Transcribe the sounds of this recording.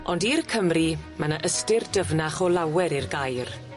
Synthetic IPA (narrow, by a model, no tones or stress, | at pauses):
ɔndirkʰəmrimanəʔəstɪrdəvnaχɔlawɛɾirɡajr